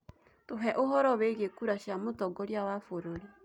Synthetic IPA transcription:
toɦɛʔoɦɔɾɔweɣekuɾaʃamotɔɡɔɾjawafoɾoɾi

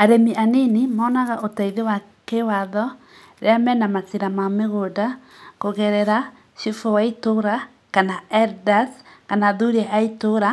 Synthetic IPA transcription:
aɾemiʔaninimaːnaɣaʔotaiðewa | kewaðɔ | ɾeamɛnamatiɾamameɣoda | koɣɛɾɛɾa | ʃifowaitoɾa | kanaɛɾdaskanaðuɾeʔaitoɾa

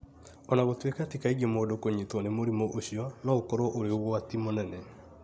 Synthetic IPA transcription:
ɔnaɣotwekatikaiɡemodokoɲitwɔnemoɾimoʔoɕjɔnɔokɔɾɔʔoɾeoɣwatimonɛnɛ

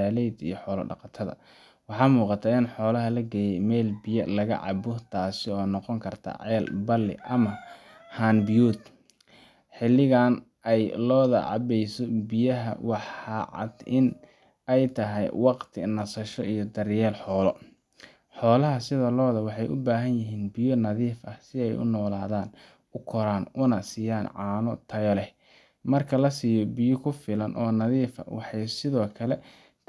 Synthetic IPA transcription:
aːlɛjd̪ḭjɔħɔːlɐ̰ɖɑqɑt̪ʰɐðɐ̰ | wɑħɑːmuːqɑt̪ʰaːɪnħɔːlɐɦɐlɐɡɛːjɛjmɛːlbɪjɐlɐɣɐ̰ʕɑ̰bʊt̪ʰaːsɪɔːnɔqɔŋkʰɐrt̪ʰɐ̰ʕɛːlbɐlːɪ̰ʔɐmɐ | haːnbjuːd̪ | ħɪlːɪɣaːn | ʔɛjlɔːðɐ̰ʕɑ̰bɛjsɔbɪjɐɦɐ̰wɑħɑʕɑ̰d̪ɪn | ɛjt̪ʰɐɦɛjwɑqt̪ʰɪ̰nɐsɐʃɔʔijɔd̪ɐrjɛːlħɔːlɔ | ħɔːlɐɦɐsɪðɐlɔːðɐwɑħɑjʔʊ̰baːɦɐnjɪɦiːnbɪjɔnɐðiːfɐhsɪɛjʊ̰nɔːlaːðaːn | ʊkʰɔɾaːnʊnɐsiːjaːnʕɑːnɔt̪ʰɐjɔlɛ | mɐrkʰɐlɐsiːjɔbɪjɔkʰʊfɪlɐnʔɔːnɐðiːfɐ̰wɑ̰ħɑjsɪðɔːkʰɐlɛ

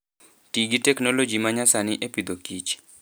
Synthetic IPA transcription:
tiɡitɛknolod͡ʒimaɲasanɪʔepid̪okit͡ʃ

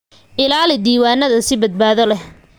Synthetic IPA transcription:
ʔɪlaːlɪd̪iːwaːnːɐðɐsɪbɐd̪̚baːðɔlɛh

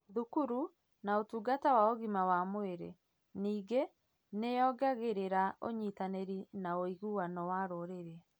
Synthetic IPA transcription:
ðukuɾu | naotuːɡatawaoɣimawamweɾḛ | niːɡe | nejɔːɡaɣeɾeɾaʔoɲitaneɾinaoiɣuwanɔwaɾoɾeɾɛ

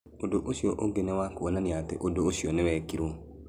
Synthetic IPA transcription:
odoʔosioʔoɡenewakoonaniatḛʔodoosionɪwɛkiɾo

